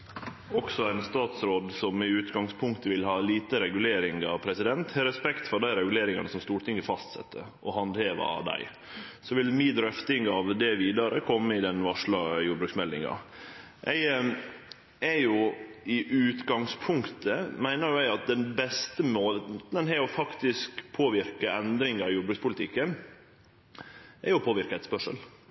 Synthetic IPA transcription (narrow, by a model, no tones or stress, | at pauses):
ɔksɔæɪnst̪ɑːt̪sɾoːd̪sɔmɪʉːt̪ɡɑŋspʰʊŋkt̪əʋɪlhɑːliːt̪əɾɛɡʉleːɾɪŋɑʋpʰɾɛsɪd̪ɛnt̪hɛɾɛspɛkt̪fɔɾɖ̪æɪɾɛɡʉleːɾɪŋɑ̰nəsɔmst̪uːɾʈ̪ʰɪŋɡəfɑst̪sɛ̰t̪ʰːə̰ | ʔɔɦɑnd̪heːʋɑ̰d̪æ̰ɪ | sɔʋɪlmiːd̪ɾœft̪ɪŋɑʋd̪ɛʋiːd̪ɑɾəkʰɔmːəɪd̪ɛnʋɑʂɭɑjuːɖbɾʉksmɛld̪ɪ̰ŋɑ̰ | ʔɛɪ | ɛɾjʊɪʔʉːt̪ɡɑŋspʰʊŋkt̪ʰəmæɪnəɾjʊɛɪɑt̪̚d̪ɛnbɛst̪əmoənɦɛɔfɑkt̪ɪskpʰoːʋɪɾkəɛnd̪ɾɪŋɑɾjuːbɾʉkspʊlɪt̪ʰɪkːən | ʔɛɾjʊpʰoːʋɪɾkəɛt̪spœʂə̰l